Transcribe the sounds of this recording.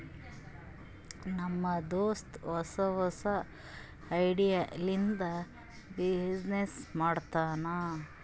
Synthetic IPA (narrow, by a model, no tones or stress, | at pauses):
nɐmːɐd̪oːst̪ʋɔsɐʋɐsɐ | ɐjɽijalind̪ɐ | bid͡ʒnesmaːɽt̪aːnaː